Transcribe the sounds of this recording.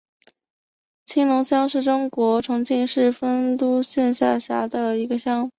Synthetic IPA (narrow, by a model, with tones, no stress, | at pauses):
t͡ɕʰi˥ŋlʊ˧˥ŋɕjɑ˥ŋʂɻ̩˥˩ʈ͡ʂʊ˥ŋkwɔ˧˥ʈ͡ʂʰʊ˧˥ŋt͡ɕi˥˧nʂɻ̩˥˩fə˥nt̪u˥ɕɛ˥˧nɕja˥˩ɕja˧˥d̪ə˧i˧˥ɡə˧ɕjɑ˥ŋ˩˨˦